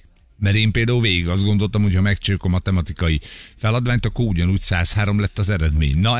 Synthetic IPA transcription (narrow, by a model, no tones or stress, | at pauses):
mɛɾeːmpeːld̪aːulveːɡiɡɒzd̪ɡo̞nd̪o̞lt̪ɒmho̞chɒmɛkt͡ʃøːkomɒt̪ɛmɒt̪ikɒjifɛlɒd̪vaːɲt̪ɒkːoɾuɟɒnuːcsaːshaːɾo̞mlɛt̪ːɒzɛɾɛd̪mḛːɲnɒ